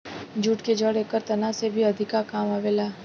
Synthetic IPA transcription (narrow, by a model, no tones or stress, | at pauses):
d͡ʒuːʈked͡ʒəɽeːkəɾt̪ɐnasebʱiɐd̪ʱɪkakaːmaːʋeːlaː